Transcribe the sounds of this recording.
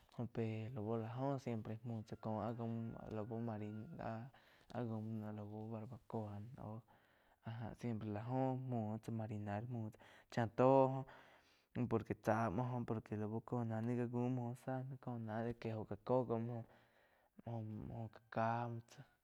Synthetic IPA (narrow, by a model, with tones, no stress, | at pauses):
hõ˧pe˨lo˨bo˧la˧ɦõ˦sje˧mpɾe˧mũ˧˨t͡sa˧kõ˨a˦ɡo˧m̰lo˨bo˧ma˧ɾi˧na˧˦ | a̰˧ɡo˧m˧nã˧lo˨bo˧ba˧ɾba˧ko˧a˧no̰˧ | a˧ɦã̰˧sje˧mpɾe˧˨la˧ɦõ˦mũ˧t͡sa˧ma˧ɾi˧na˧˦lmũ˧˨t͡sḁ˧t͡ʃã˧t̪o˦ɦõ˦˧ | po˧˨ɾke˨t͡sa˧mõ˧ɦõ˧po˨ɾke˨lo˨bo˧ko˧nã˧nĩ˦ɡa˧ɡu˦mo˧hõ˧sa˦nã˧ko˧nã˨˦d̪e˧ke˧ɦo˧˨ka˨ko˦ɡo˧m˦hõ˧ | m˧hõ˧m˧hõ˧kḁ˧˨ka˦m˧t͡sa˧